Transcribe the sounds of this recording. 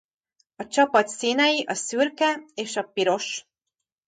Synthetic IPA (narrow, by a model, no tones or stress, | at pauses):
ɒt͡ʃɒpɒt̪siːnɛjiʔɒsyrkɛeːʃɒpiɾo̞ʃ